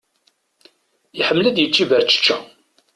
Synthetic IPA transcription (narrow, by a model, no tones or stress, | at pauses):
iħəmːlæd̪jət͡sːivəɾt͡ʃːə̥t͡ʃːæ